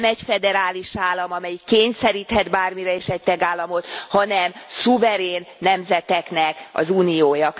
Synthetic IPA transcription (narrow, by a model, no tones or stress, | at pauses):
mɛcfɛd̪ɛɾaːliʃaːlːɒmɒmɛjikːeːɲsɛɾiːt̪hɛd̪baːrmiɾɛeːʃɛc̚t̪ɛɡaːlːɒmo̞t̪hɒnɛmsuvɛɾeːnːɛmzɛt̪ɛknɛkɒ̰zuːnijoːjɒ